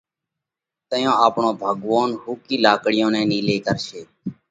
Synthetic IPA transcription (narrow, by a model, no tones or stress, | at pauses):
t̪əjõːaːpɳõːbʱəɠʋaːnhuːkiːlaːkɽɪjõːnɛ̃ːniːleːkəɾʃeː